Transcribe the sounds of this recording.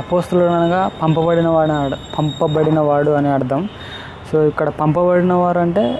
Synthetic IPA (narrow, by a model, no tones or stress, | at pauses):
ɐpoːst̪ulɐkɐnɐnɐɡaːpɐmpɐbɐɽinɐʋaːɽpʰɐmpɐbɐɽinɐʋaːɽuɐniɐɽɐd̪ɐm | soːikːɐɽɐpɐmpɐbɐɽinɐʋaːɾuɐɳʈe̞ː